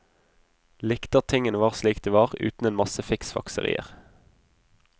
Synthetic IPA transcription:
lɪkt̪ɑʁt̪ʰɪŋənəʋɑːʁsliːkd̪eːʋɑːʁʉ̰ːt̪n̩eːnmɑsəfɪksfɑ̰ksə̰ʁḭːə̰ʁ

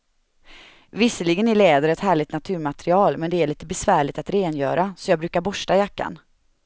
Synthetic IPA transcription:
vɪsəlɪɡənɪɭeːd̪əɾɛt̪hæːɭɪɡ̚t̪nat̪ʰʉ̟ːɾmat̪ɾɪɑːlmɛnd̪ɛæɭiːt̪əbɛsvæːɭɪɡ̚t̪at̪ɾeːnjœ̰ːɾasɔjɑːɡbɾʉ̟ːkaɾbɔʂʈajakːa̰n

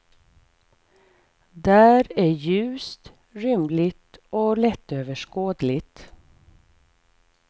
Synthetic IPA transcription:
d̪æːɾæjʉ̟ːst̪ | ɾʏmlɪt̪ɔlɛt̪ːøːvəʂkoːd̪lɪt̪

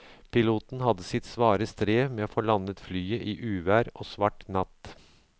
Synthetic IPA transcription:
pʰɪluːt̪n̩hɑd̪əsɪt̪sʋɑːɾəst̪ɾeːmeːoːfoːɭɑnət̪flyːəʔiːʔʉːʋæːɾoːsʋɑʈnɑt̪

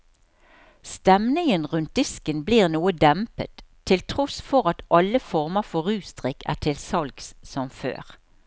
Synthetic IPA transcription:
st̪ɛmnɪŋənʁʉnt̪̚d̪ɪskənbliːʁnuːəd̪ɛmpə̰t̪ʰːɪlt̪ʰʁɔsfɔʁɑt̪ʔɑlːəfɔʁməʁfɔʁʉːst̪ʁɪkæ̰ːʈʰɪlsɑlɡssɔmfø̰ːʁ

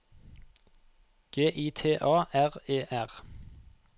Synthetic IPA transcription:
ɡ̥eːʔiːt̪ʰeːʔɑːæʁeːʔæʁ

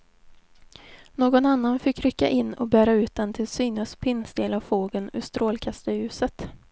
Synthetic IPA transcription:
noːɡɔnanːanfɪkːɾʏkːa̰ʔɪnːɔ̰bæːɾaʉ̟ːt̪̚d̪ɛnt̪ʰɪlsyːnəspʰɪnsd̪eːlavfoːɡənʉ̰ʂt̪ɾoːlkʰast̪əjʉ̟ːsət̪

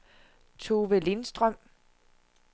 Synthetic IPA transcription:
t͡sʰoʋelinsd̥ʁœm̰

